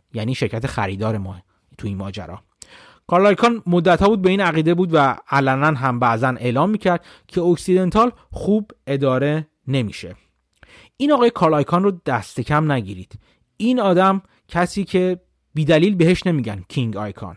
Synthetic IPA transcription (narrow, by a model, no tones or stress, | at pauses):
jæniːʃe̞ɾcʰæt̪ʰe̞xæɾiːd̪ɒːɾemɒː | t̪ʰuinmɒ̰ːd͡ʒæ̰ɾɒ̰ː | kʰɒːlɒjkʰɒnmod̪ːæt̪ʰhɒːbuːd̪̚beiːnæɣiːd̪ebuːd̪væælænænɦæmbæʔzænʔe̞ːlɒːmːiːcʰæɾd̪̥ | cʰe̞oksid̪e̞nt̪ʰɒl | xuːbe̞d̪ɒːɾe̞ | ne̞mḭːʃḛ | ʔiːnɒːɣɒːjekʰɒːlɒjkʰɒnrod̪̥æst̪e̞cʰæmnæɟiːɾiːd̪̥ | iːnɒːd̪æm | cʰæsiːcʰe̞ | biːd̪æliːlbe̞heʃne̞miːɟæncʰiŋɟɒ̰jkʰɒ̰n